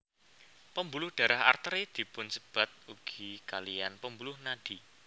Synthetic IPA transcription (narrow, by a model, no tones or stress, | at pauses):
pəmbulʊhd̥ä̤ɾaɦa̰rt̪əɾed̪̥i̤pʊnsəb̥a̤t̪̚uɡ̥ikalijanpəmbulʊhnad̥i̤